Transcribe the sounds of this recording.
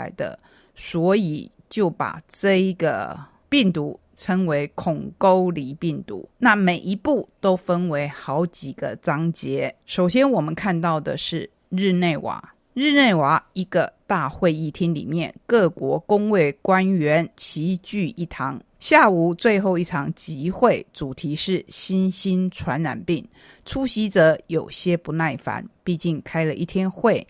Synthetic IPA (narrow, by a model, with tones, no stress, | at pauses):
ɪd̪ə̰˧ | swɔ˧˥i˨˩˦ | t͡ɕjo˥˩ʊpa̰˨˩ʈ͡ʂɤ˥˩i˧˥ɡə̰˨ | pi˥˩ŋt̪u˧˥ | ʈ͡ʂʰə˧˥ŋwe˧˥ɪkʰʊ˨˩ŋko˥ʊli˨˩pi˥˩ŋt̪ṵ˧˦na˥˨me˨˩ɪʔi˧˥pu˥˩t̪o˥ʊfə˥nwe˧˥ɪxɑ˧˥ʊt͡ɕi˨˩ɡ̥ə˦t͡sɑ˥ŋt͡ɕjɛ˧˥˦ʂo˨˩ʊɕjɛ˥nwɔ˨˩mə˨˦nkʰa˥˧nt̪ɑ˥˩ʊd̪ə̰˨ʂɻ̩˥˩ | ɻ̩˥˧ne˥˩ɪwa̰˨˩˦ | ɻɻ̩˥˧ne˥˩ɪwa˨˩˦i˧˥ɡə˧t̪a˥˧xwe˥˧ɪi˥˩t̪ʰi˥nlḭ˨˩mjɛ̰˥˨nkɤ˥˩kwɔ˧˥kʊ˥ŋwe˥˩ɪkwa˥nɥɛ˧˥nt͡ɕʰi˧˥t͡ɕy˥˧i˥˩t̪ʰɑ˧˥ŋ | ɕja˥˩u˨˩t͡swe˥˧ɪxo˥˧ʊi˥˩ʈ͡ʂʰɑ˧˥ŋt͡ɕi˧˥xwe˥˩ɪt͡su˨˩t̪ʰi˧˥ʂɻ̩˥˩ɕi˥nɕi˥nʈ͡ʂʰwa˧˥nɻa̰˨˩npi˥˩ŋ | ʈ͡ʂʰu˥ɕi˧˥t͡sɤ˧˥jo˨˩ʊɕjɛ˥pu˧˥na˥˩ɪfa̰˧˥npi˥˧t͡ɕi˥˩nkʰa˥ɪlə˨ʔi˥˩t̪ʰjɛ˥nxwe˥˩ɪ